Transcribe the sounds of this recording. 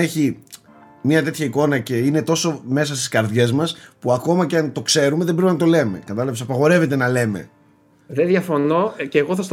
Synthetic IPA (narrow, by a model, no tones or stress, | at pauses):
eçi | mɲɐt̪e̞t̪çɐiko̞nɐce̞ine̞t̪o̞so̞me̞sɐst̪i̥skɐɾðʝe̞zmɐspuɐko̞mɐceɐnt̪o̞kse̞ɾume̞ðebɾepinɐt̪o̞le̞me̞̰kɐt̪ɐlɐpesɐpɐɣo̞ɾe̞ve̞t̪e̞nɐle̞me̞̰ | ðeðjɐfonoceːɣoθɐst̪